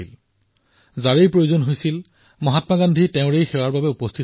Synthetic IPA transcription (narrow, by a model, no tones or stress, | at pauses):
il | zaɹejpɹojozɔnɦojsil | mɔɦatmaɡandʱiteʊ̃ɹejxɛwaɹbabɛupɔstʰit